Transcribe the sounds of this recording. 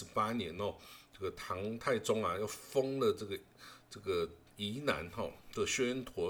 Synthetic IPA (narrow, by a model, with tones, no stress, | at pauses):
pa˥njɛ˧˦nɔ˥˧ʈ͡ʂɤ˥˩ɡə˩t̪ʰɑ˧˥ŋt̪ʰa˥˩ɪʈ͡ʂʊ˥ŋa˨jɑ˥˩ʊfɤ˥ŋlə˨ʈ͡ʂɤ˥˩ɡə˩ʈ͡ʂɤ˥˩ɡə˩ | i˧˥na̰˧˥nxɔ̰˥˩d̪ə˥˩ɕɥɛ˥nt̪ʰwɔ˧˥